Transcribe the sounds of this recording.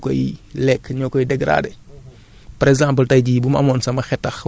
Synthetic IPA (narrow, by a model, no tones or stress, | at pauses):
kɔ̰jlɛkɲɔkɔjidɛɡɾa̰ːdɛ | pɐɾɛɡzãːmp̬əltɐjɟibumɐ̰mɔnsɐmɐxɛtːɐx